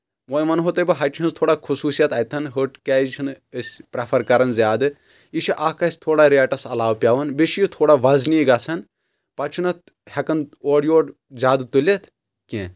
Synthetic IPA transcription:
ʋojmɐnɦot̪ɐjbɨɦɐt͡ʃʰiɦɐnt̪ʰoːɽakʰusuːsijɐt̪ɐjt̪ʰɐnɦɨʈkɛːt͡ʃʰin | əsʲpɾɐpʰɐɾkɐɾɐnzʲjaːd̪ɨ | iʃʰiʔakɐsʲt̪ʰoːɽaɾʲeʈɐsɐlaːwpʲjaːʋɐnbeʃijut̪ʰoːɽaːʋɐzniɡɐt͡sʰɐn | pɐt͡ʃʰunɐt̪̚ | hɛkɐnoːɽjoːʈ | zʲaːd̪ɨt̪ulʲet̪ʰ | kʲẽː

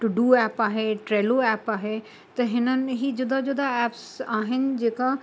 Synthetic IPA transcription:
ʈuɖuɛːpaːɦeʈɾeːloɛːpaːɦe | t̪ɐɦɪnənɪ̆ɦiːd͡ʒʊd̪ad͡ʒʊd̪ʱaɛːpsaːɦɪnɪ̆d͡ʑeːka

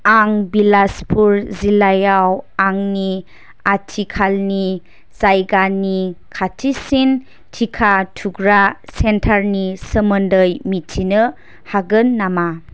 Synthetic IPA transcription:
aŋbilaspʰuɾzilajawaŋni | atʰikʰalni | zajɡanikʰatʰisin | tʰikʰatʰuɡɾasentʰaɾnisəməndəjmitʰinə | haɡɯnːama

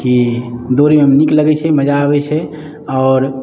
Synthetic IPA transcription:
kid̪oɾemeəmnikləɡɛt͡ʃʰɛməd͡ʒabɛt͡ʃʰɛ | ɔːɾ

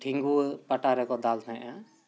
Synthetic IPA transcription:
ɖʰʱĩŋɡupaʈaɾɛkɔd̪alnʰãjʔã

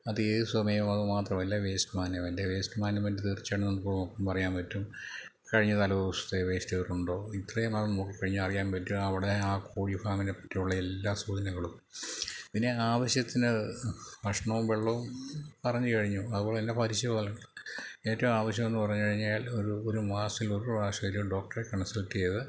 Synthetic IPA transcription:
ɐðɨeːðɨsɐmɐjɐmɐðɨmaːt̪rɐmɐlːɐʋe̞ːstmaːnjɐʋɐndeʋe̞ːstɨmaːnjɐmɐndɨt̪irt͡ɕːeːɳnenːkoːɭumɐpːɐmpɐrɐjaːnpɐtːum | kɐɻiɲːɐt̪ɐlɐʋʋɐsu̥t̪ːeʋe̞ːstuɐruɳɖo̞ːit̪rɐjɐmɐðɐmnoːkːikːɐɻiɲːuɐrijaːnpɐtːumɐʋiɽeaːkoːɽifaːminepːɐ̥tːijuɭːɐelːaːsuːd̪ɐnɐɣɐɭum | pinːe̞aːʋɐɕjɐt̪ːinɨʋɐʂɐɳɐʋumbeɭːoːmpɐrɐɲːɨkɐɻiɲːuɐðubo̞ːɭːeenːdepɐɾiɕɐðɐɐlɐɳɖe̞ːtːɐʋumaːʋɐɕ̬jɐmenːupɐrɐɲːukɐɻiɲːaːlo̞ɾuoɾumaːsiloɾuʋaːʂɐjilumɖo̞ːk̚ʈɐrekɐɳɐsɐltːiejɐðɨ

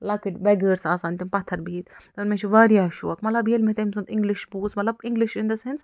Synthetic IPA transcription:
lɐkiʈbɛɡəːɾsaːsaːnt̪impɐt̪ʰːɐɾbiːt̪t̪onmẽt͡ʃʰiʋaːɾijaːʃṵːɐkmɐt̪lɐbjiɐlmet̪emsunt̪ɪ̃ŋɡliʃbuːsmɐt̪lɐbɪ̃ŋɡliʃind̪ɐsens

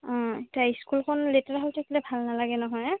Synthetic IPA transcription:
ɔ̃etaiskulkʰɔnletaɹaɦawtʰakilɛbʱalnalaɡɛnɔɦɔj

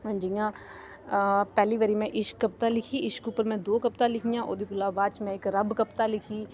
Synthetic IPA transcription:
d͡ʒijãː | pɛːliːʋəɾiːmɛ̃ʔɪʃkːəp̚t̪aːlɪkʰiːɪʃkupəɾmɛ̃ːd̪oːkəp̚t̪aːlɪkʰijãːʔo̰ːd̪iːpʊlaːbaːt͡ʃmɛ̃ɪkɾəbkəpt̪aːlɪkʰiː

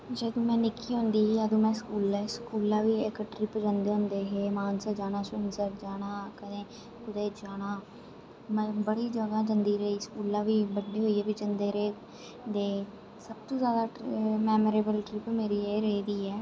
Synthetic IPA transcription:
d͡ʒəd̪õːmɛ̃ːnɪkːiːɦʊ̃nd̪iːiəd̪õːmɛ̃ːskuːlɛskuːlãːʋiːɪkəʈɾɪpd͡ʒənd̪eːɦʊnd̪eːɦeːmaːnsad͡ʒaːñãːsʊnsəɾd͡ʒaːɽ̃ãːkəd̪ẽː | kʊd̪eːd͡ʒaːɽãː | mɛ̃bəɽiːd͡ʒəɡãːd͡ʒənd̪iːɾəiːskuːlãːʋiːbəɖiːɦoːiːɛːbid͡ʒənd̪eːɾeː | d̪eː | səbt̪õːzjaːd̪aːmɛːmoːɾeːbəlʈɾɪpmeːɾieɾeːd̪iːɛː

